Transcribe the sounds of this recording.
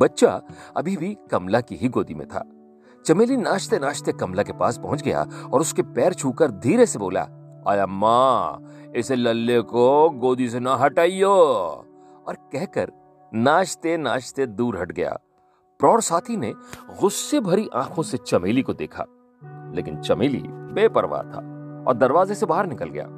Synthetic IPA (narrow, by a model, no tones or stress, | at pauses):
bɐtːʃa̰ɐ̰bʱibʱikɐmlakiɦiɡoːd̪imḛ̃t̪ʰa̰ː | t͡ʃɐmeːlinaːʃt̪enaːʃt̪ekɐmlakepa̰ːspɐɦʊ̃nt͡ʃɡɐja̰ɔːɾʊskepɛːɾt͡ʃʰuːkəɾd̪ʱiːɾesebo̰ːla̰ | a̰ːjamãː | ɪselɐlːekoɡoːd̪is̬enɐɦɐʈaːioː | ɔːɾkɛɦkɐ̰ɾ | naːʃt̪enaːʃt̪ed̪uːɾɦɐʈɡɐ̰ja̰ː | pɾɔːɽsaːt̪ʰineɣʊsːebʱɐɾiʔã̰ːkʰõset͡ʃɐmiːlikod̪ḛːkʰa̰ː | leːkɪnt͡ʃɐmiːlḭbeːpɐɾʋa̰t̪ʰa̰ːɔ̰ːɾd̪ɐɾʋaːzesebaːɦəɾnɪkəlɡɐja̰ː